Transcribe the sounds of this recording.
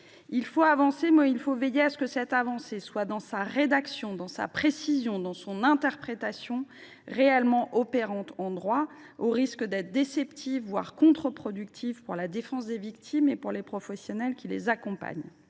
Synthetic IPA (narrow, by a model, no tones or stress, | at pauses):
ilfoavɑ̃semɛilfovejeasə̥kəsɛt̪avɑ̃seswad̪ɑ̃saʁed̪aksjɔ̃d̪ɑ̃sa̰pχesizjɔ̃d̪ɑ̃sɔ̃nɛ̃t̪ɛʁpχet̪asjɔ̃ | ʁeɛlmɑ̃ʔɔpeʁɑ̃t̪ɑ̃d̪ʁwa | oʁiskəd̪ɛt̪χd̪esɛpt̪ʰivvwa̰ʁkɔ̃t̪χəpχɔd̪ykt̪ʰivpuʁlad̪efɑ̃s̬d̪evikt̪ʰimepuʁlepχɔfɛsjɔnɛlkʲilḛzakɔ̃pa̰ɲ